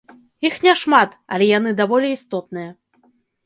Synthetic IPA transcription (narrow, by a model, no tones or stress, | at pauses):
ixnʲɛʂmat̪ɐ̰lʲɛjan̪ɨd̪avɔlʲiist̪ɔt̪̚nɨjɐ